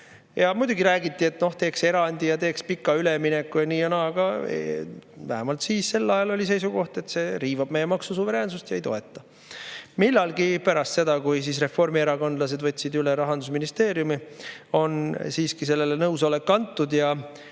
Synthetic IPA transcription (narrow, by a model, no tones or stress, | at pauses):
jɑmujd̪uɡiɾæːɡit̪ːˑie̞t̪no̞ht̪e̞ːkse̞ɾɑnʲd̪ijɑt̪e̞ːkspikːˑɑyleminekːˑujɑniːɑnɑɡ̥ɑ̰ | væɦemɑlt̪siːsse̞lːɑjɑlo̞lʲis̬e̞jsuɡo̞ht̪e̞t̪se̞ɾiːvɑb̥̚me̞jːemɑksusuve̞ɾe̞ːnsust̪jɑejt̪o̞̰e̞t̪ˑːɑ | milːɑlɡipæɾɑst̪se̞d̪̥ɑkujs̬is̬re̞fo̞rmieɾɑko̞nd̪lɑs̬e̞d̪vɤ̞t̪ʲˑːsid̪yleɾɑɦɑnd̪̥usminist̪e̞ːɾjumio̞nsiːskise̞lːelenɤwsolekːɑnt̪ːud̪jɑ